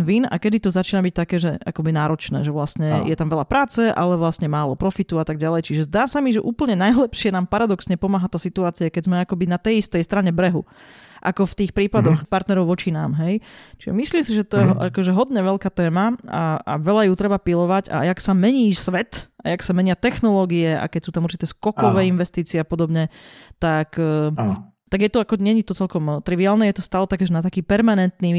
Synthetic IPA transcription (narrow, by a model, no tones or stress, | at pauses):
ʋina̰kɛd̪it̪ɔzat͡ʃiːnabic̚t̪akɛːʒɛa̰kɔbinaːɾɔt͡ʃnɛ̰ːʒɛʋlasɲɛjɛt̪amʋɛʎapɾaːt͡sɛʔa̰lɛʋlastɲɛmaːlɔpɾɔfit̪uat̪aɡɟalɛjt͡ʃiʒɛzd̪aːsamiʒɛʔuːpl̩ɲɛnajlɛpʃɪɛnaːmpaɾad̪ɔksɲɛpɔmaːɦat̪aːsit̪uaːt͡siakɛɟzmɛakɔbinat̪ɛjist̪ɛjst̪ɾaɲɛbɾɛɦṵ | ʔa̰kɔft̪iːxpɾiːpad̪ɔxpaɾt̪nɛɾɔʊʋɔt͡ʃinaːmɦɛjt͡ʃiʒɛ̰misliːmsiʒɛt̪ɔjɛɦa̰kɔʒɛɦɔd̪ɲɛʋɛʎkaːt̪ɛːmaaa̰ʋɛʎajut̪ɾɛbapilɔʋaɟa̰jaksamɛɲiːsʋɛt̪ajaksamɛɲɪat̪ɛxnɔlɔɡiɛa̰kɛcsuːt̪amuɾt͡ʃit̪ɛːskɔkɔʋɛːinʋɛst̪iːt͡siɛapɔd̪ɔbɲɛt̪akː | t̪aɡjɛt̪ɔakɔɲɛɲit̪ɔt͡sɛlkɔmt̪ɾiʋiaːlnɛːjɛt̪ɔst̪aːlɛt̪akɛʒɛnat̪akiːpɛɾmanɛnt̪niː